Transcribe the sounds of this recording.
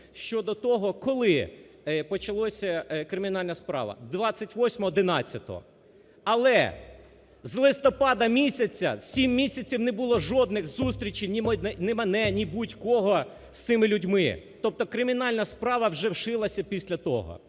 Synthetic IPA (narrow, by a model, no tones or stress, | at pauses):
ʃt͡ʃɔd̪ɔt̪ɔɦɔkɔlˠɪ | pɔt͡ʃɐlˠɔsʲɐkɾɪmʲinɑlʲnɐspɾɑ̰ʋɐ̰d̪ʋɑt͡sʲːɐtʲʋɔsʲmɔɦɔd̪ɪnɑt͡sʲːɐt̪ɔ̰ɦɔ̰ | ɐlˠɛ̰ | zlˠɪst̪ɔpɑd̪ɐmʲisʲɐt͡sʲːɐ̰sʲimːʲisʲɐt͡sʲiwnɛbʊlˠɔʒɔd̪nɪxzust̪ɾʲit͡ʃijnʲimnɛnɛmɐnɛnʲibutʲkɔɦɔ | st̪sɪmɪlʲudʲmɪ̰t̪ɔp̚t̪ɔkɾɪmʲinɑlʲnɐspɾɑʋɐwʒɛwʃɪlˠɐsʲɐpʲisʲlʲɐt̪ɔ̰ɦɔ̰